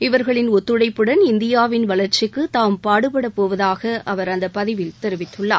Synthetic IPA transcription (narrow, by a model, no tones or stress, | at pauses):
ɪʋɐɾɣɐɭɪnɔt̪ːɯɽɐɪpːɯɽɐnɪnd̪ɪjaːʋɪnʋɐɭɐɾt͡ʃɪkːɯt̪aːmpaːɽɯpɐɽɐpːoːʋɐðaːɣɐʔɐʋɐɾɐnd̪ɐpɐðɪʋɪlt̪ɛɾɯʋɪt̪ːɯɭːa̰ː